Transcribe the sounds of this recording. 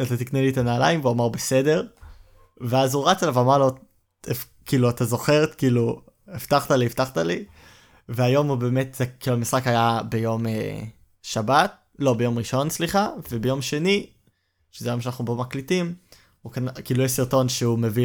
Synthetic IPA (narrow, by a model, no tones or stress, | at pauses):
at̪at̪iknelit̪anaːla̰jimveuamaʁbe̞se̞de̞ʁ | veazhuʁat͡selavamaʁlo | ef | kiːluat̪azo̞χeʁet̪kiːlu | eftaχt̪alieft̪aχt̪ali | veajo̞mube̞ːmetzekiːluhamisχakhajabe̞jo̞mḛ | ʃabat̪̚ | lo̞bejo̞mʁiʃo̞nsliχave̞be̞jo̞mʃe̞ni | ʃezeajo̞mʃanaχnubo̞maklitim | ukankiːlujɛsiʁto̞nʃeumevi